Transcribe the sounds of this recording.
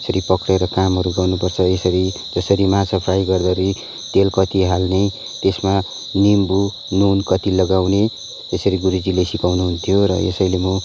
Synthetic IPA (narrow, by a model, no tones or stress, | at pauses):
esʌɾipʌkɾeɾʌkamɦʌɾuɡʌwnupʌrt͡sʰʌesʌɾi | d͡zʌsʌɾimasʰʌpʰɾajɡʌrd̪ʌɾuj | t̪elkʌt̪iɦalne | t̪esma | nimbu | nunkʌt̪ilʌɡawne | esʌɾiɡuɾid͡zilesikawnuɦunt̪ʰijoɾʌ̰ḛsʌjlemo